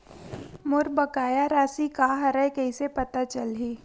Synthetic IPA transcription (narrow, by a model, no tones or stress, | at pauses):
mʊɾbɐkaːjaɾaːsikaːɦɐɾəkɛisepɐt̪at͡ʃəlɦiː